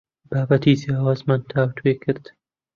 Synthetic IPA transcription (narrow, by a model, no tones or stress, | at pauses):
baːbat̪iːziɑːwaːzmant̪ʰaːwt̪ʰweːkʰɨɾd̪̥